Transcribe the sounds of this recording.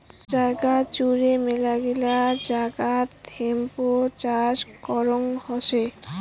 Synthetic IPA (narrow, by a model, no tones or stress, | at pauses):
d͡ʑajɡat͡ɕuɾemelaɡilad͡ʑaɡat̪ʰempot͡ɕaʃkɔɾoŋhɔʃe